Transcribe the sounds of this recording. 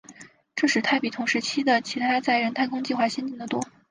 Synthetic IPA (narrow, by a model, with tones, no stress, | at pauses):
ʈ͡ʂɤ˥˧ʂɻ̩˥˩t̪ʰa˥˩ɪpi˨˩t̪ʰʊ˧˥ŋʂɻ̩˧˥t͡ɕʰi˥d̪ə˨t͡ɕʰi˧˥t̪ʰa˥t͡sa˥˩ɪɻə˧˥nt̪ʰa˥˩ɪkʰʊ˥ŋt͡ɕi˥˧xwa˥˩ɕjɛ˥nt͡ɕi˥˩ŋd̪ə˩t̪wɔ˥